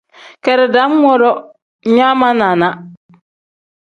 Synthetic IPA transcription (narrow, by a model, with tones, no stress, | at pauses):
kɛ˨ɾɪ˨da˨˦m˦ŋɔ˦ɾɔ˦ | ɲa˦ma˦na˨na˦